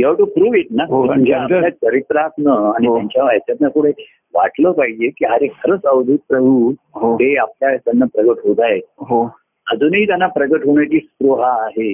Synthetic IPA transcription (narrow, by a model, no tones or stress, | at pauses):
jəʈupɾuʋiʈnaɦoud͡ʑaljakəɾit̪ɾat̪nəaɽ̃it̪jaɲt͡ɕjaʋajt̪jat̪nakuɽ̤ʰe | ʋa̰ʈləːpaɦid͡ʑekiːɦaɾekʰəɾət͡səʋd̪ʱit̪̚pɾəbʱu | ɦoɦeapljat̪janːapɾəɡəʈɦod̪ajɦo | əd͡zuːnɦiːt̪janːapɾəɡəʈɦoɳ̃at͡ɕiːsk̪ɾuɦaːɦe